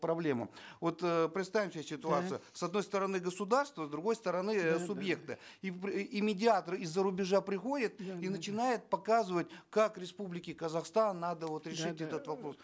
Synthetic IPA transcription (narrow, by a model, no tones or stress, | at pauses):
pɾɐblʲe̞mə̰vo̞t̪pɾʲɪt̪st̪avʲɪmsʲasʲɪt̪ʊat̪sɨjʊsɐd̪no̞jst̪əɾɐnɨɡəsʊd̪arst̪vəzd̪ɾʊɡo̞jst̪əɾɐnɨsʊbje̞k̚t̪ɨiimʲɪdʲɪat̪ərɨɪzːəɾʊbʲɪʐapɾʲɪxo̞dʲɪt̪̚inət͡ɕɪnajɪt̪̚pɐkazɨvət̚ʲkakɾʲɪspublʲɪkʲɪkəzɐxst̪anːad̪əvo̞t̪ɾʲɪʂɨtʲɛt̪ət̪vɐpɾo̞s